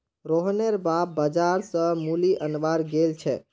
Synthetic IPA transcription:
ɾoɦneɾbap̚bəd͡ʒaɾsə̃muliʔənʋaɾɡelt͡ʃʰɛ

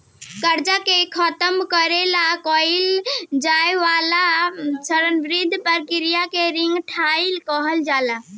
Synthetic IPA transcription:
kəɾd͡ʒakekʰət̪əmkəɾelakɔjld͡ʒajʋalasəɾənʋɾid̪ʱpəɾkiɾijakeɾiŋɡʈʰailkɔɦəld͡ʒala

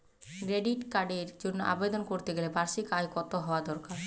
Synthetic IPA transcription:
kɾeɖiʈkaɖeɾd͡ʑonːoʔa̰bed̪onkoɾt̪eɡelebaɾʃikajkɔt̪oɦɔad̪ɔɾkaɾ

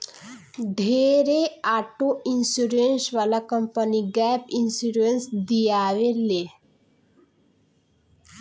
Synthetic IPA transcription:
ɖʱeɾeaʈoinsuɾensʋalakəmpəniɡɛpinsuɾensd̪ijaːʋele

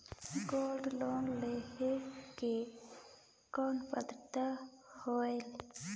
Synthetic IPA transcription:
ɡoːlɖloːnleheke | koːnpəd̪t̪a | hoːel

